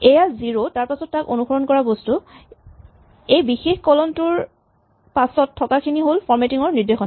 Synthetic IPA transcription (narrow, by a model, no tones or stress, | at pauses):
ejaziɹotaɹpasɔtːako̰nuxɔɹɔnkɔɹabostu | ejbixexkɔlɔntʊɹ | pasɔtʰːɔkakʰiniɦolfʰɔɹmetiŋɔɹniɹdexɔn